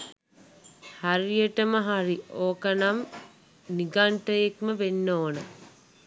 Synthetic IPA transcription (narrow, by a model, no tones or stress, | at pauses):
haɾijəʈəməɦaɾioːkɐnam | niɡaɳʈəjekməʋenːoːnə